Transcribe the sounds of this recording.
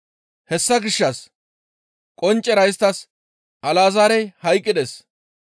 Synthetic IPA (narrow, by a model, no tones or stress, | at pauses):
hɛsːɐɡɪʃːɐs | kʼɔnt͡ʃʼːɛɾɐjst̪ːɐs | ʔɐlaːzaːɾɛjhɐjkʼːɪd̪es